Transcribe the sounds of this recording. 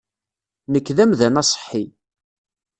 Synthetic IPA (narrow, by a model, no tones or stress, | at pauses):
nəkːðæmðænɑsˤə̥ħːi